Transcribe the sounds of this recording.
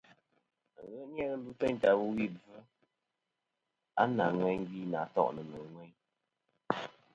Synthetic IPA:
ɣə˦ʔn˦ɛ˦ɣə˦lu˦tɛ˦ɲ˨ta˨bu˦wi˦˨b͡vɨ˦ | a˦na˨ŋwɛ˦ŋ̩˦ɡi˦na˨tɔ̰˦˨ʔnə˨nə˨ŋwɛ˦ɲ

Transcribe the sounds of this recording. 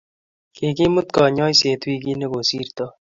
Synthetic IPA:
ke˨ki˦mʊ˦t̪kɔ˨ɲɔ˦jse˨t̪wi˧ki˦ne˦ko˨si˦ɾt̪ɔ˦

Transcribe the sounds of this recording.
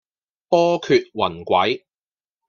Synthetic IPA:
pɔː˥kʰyː˧t̚wɐ˨˩nkʷɐ˨˥j

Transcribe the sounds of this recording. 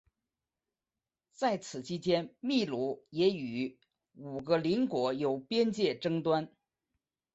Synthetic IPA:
t͡sa˥˩ɪt͡sʰɹ̩˨˩t͡ɕʰi˥t͡ɕjɛ˥nmi˥˧lu˧˥jɛ˧˥y˨˩˥ | u˨˩ɡə˦li˧˥nkwɔ˧˥jo˨˩ʊpjɛ˥nt͡ɕjɛ˥˩ʈ͡ʂɤ˥ŋt̪wa˥n

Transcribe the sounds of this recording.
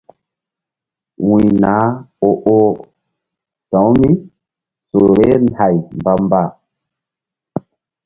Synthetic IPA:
wũ˨jna˨˦o˨ʔo˦ | sã˨˦wmi˦ | so˨ɾe˦na˨jmba˨mba˦˨

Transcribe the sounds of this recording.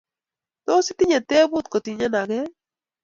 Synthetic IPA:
t̪o˦si˦t̪i˦ɲe˨t̪ɛ˦bu˦t̪̚ko˨t̪i˨ɲa˦na˨ke˦

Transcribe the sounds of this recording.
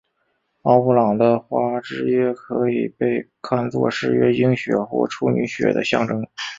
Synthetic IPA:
ɑ˥ʊu˧˥˩lɑ˨˩ŋd̪ə˦xwa˥ʈ͡ʂɻ̩˥ɥɛ˥˩kʰɤ˧˥i˨˩pe˥˧ɪ | kʰa˥˧nt͡swɔ̰˥˧ʂɻ̩˥˩ɥɛ˥i˥ŋɕɥɛ˨˩xwɔ̰˥˩ʈ͡ʂʰu˥ny˧˥ɕɥɛ̰˨˩d̪ə̰˦ɕjɑ̰˥˩ŋʈ͡ʂɤ˥ŋ

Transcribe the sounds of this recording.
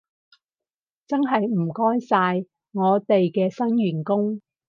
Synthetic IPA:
t͡sɐ˥nɦɐ˨jm̩˨˩kɔː˥jsaː˧j | ŋɔː˨˧t̪e˨jkɛː˧sɐ˥nɥyː˨˩nkʊ˥ŋ

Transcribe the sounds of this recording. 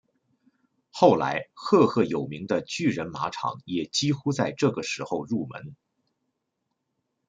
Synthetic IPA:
xo˥˩ʊla̰˧˥ɪxɤ˥˧xʰɤ˥˩jo˨˩ʊmi˧˥ŋd̪ə˧t͡ɕy˥˩ɻə˧˥nma˧˥ʈ͡ʂʰɑ̰˨˩˦ŋjɛ˨˩t͡ɕi˥xu˥t͡sa˥˧ɪʈ͡ʂɤ˥˩ɡə˩ʂɻ̩˧˥xo˥˧ʊɻu˥˩mə̰˧˥n

